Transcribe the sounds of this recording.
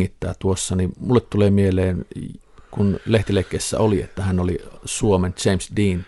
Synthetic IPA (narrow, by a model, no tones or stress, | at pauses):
it̪ːæ̰ːt̪uosːɑnimulːet̪t̪uleːmieleːn | kunleht̪ilekːˑeˑsːæ̰oliḛt̪ːæhænolḭsuoment͡ʃeˑimsdiːn